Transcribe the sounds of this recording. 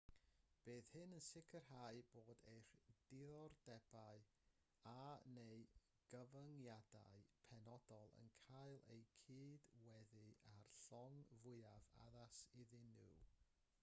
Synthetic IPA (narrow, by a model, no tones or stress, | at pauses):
b̥eːθhɨnənsɪkʰərhaɨboːdejr̥d̥ɪɔrdɛb̥aɨ | anej | ɡ̥əvəŋjada̰ɨpʰɛnɔdɔlˠə̰nkʰajlˠḛjkʰiːdwɛðɨarɬɔŋvʊɨava̰ðasɪðɪnṵ